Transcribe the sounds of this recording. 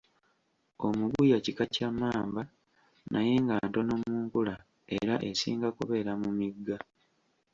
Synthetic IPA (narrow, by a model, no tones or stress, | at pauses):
o̞muɡujacikacamaːmba | naje̞ŋɡanto̞no̞muːŋkula | e̞̰ɾaʔesḭːŋɡakoβe̞ɾamumiɡːa